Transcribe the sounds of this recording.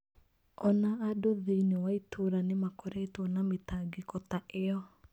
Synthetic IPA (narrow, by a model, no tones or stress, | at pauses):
ɔnaːdoðeinewaitʰoɾanemakɔɾaitɔnametaɡekɔtaʔeɔ